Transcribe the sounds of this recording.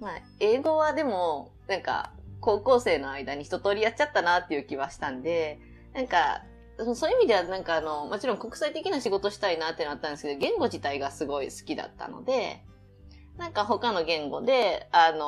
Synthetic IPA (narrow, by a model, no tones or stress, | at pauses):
ma | e̞ːɡo̞βad̪e̞mo̞ | nãŋka̰ko̞ːko̞ːse̞ːno̞aid̪aɲ̟içi̥t̪o̞t̪o̞ːɾʲijat͡ɕat̪ːanat̪ːe̞jɯ̟ːkʲiβaɕi̥t̪ãnd̪e̞ | nãŋka | soːjɯimʲid̪e̞anãŋkaːno̞mo̞t͡ɕiɾõ̞ŋko̞kɯ̟̥sait̪e̞kʲinaɕiɡo̞t̪o̞ɕi̥t̪ainat̪ːenaat̪ːãnd̪esɨked̪oɡẽ̞ŋɡo̞ʑit̪aiɡasɨɡo̞isɨ̥kʲid̪a̰t̪ːa̰no̞̰d̪e̞ | nãŋkaɦo̞kano̞ɡẽ̞ŋɡo̞̰d̪e̞ano